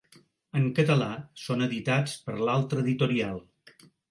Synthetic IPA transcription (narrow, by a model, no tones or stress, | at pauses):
əŋkət̪əlasonəðit̪at͡spəɾlalˠt̪ɾəːðit̪uɾialˠ